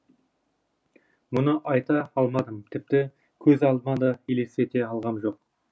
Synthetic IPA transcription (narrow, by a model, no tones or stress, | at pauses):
mʊnəʔɑjt̪ɑɑlˠmɑd̪əmt̪ʰɪp̚t̪ɪ | kʲʰɵzɑlˠd̪ənɑd̪ɑele̞se̞t̪e̞ɑlˠʁɑnʒo̞q̚